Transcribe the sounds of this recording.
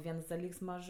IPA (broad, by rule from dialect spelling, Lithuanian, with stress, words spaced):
ˈʋʲiɛns dɐˈlʲiːks ˈmɐʃ